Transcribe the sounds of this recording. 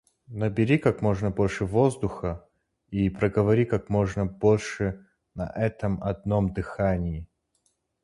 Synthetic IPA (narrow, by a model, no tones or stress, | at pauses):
nəbʲɪɾʲikakmoʐnəbo̞lʲʂɨvo̞zd̪ʊxə | ipɾəɡəvɐɾʲikak̚mo̞ʐnəbo̞lʲʂɨ | nɐ̰ʔɛt̪əmɐ̰d̪nomd̪ɨxanʲɪjɪ